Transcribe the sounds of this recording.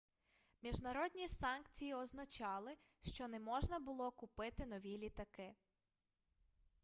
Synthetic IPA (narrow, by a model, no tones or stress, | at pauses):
mʲiʒnɐɾɔd̪ʲnʲisɑnkt͡sʲijiɔznɐt͡ʃɑlˠɪʃt͡ʃɔnɛmɔʒnɐbʊlˠɔkʊpɪt̪ɪnɔʋʲilʲit̪ɐkɪ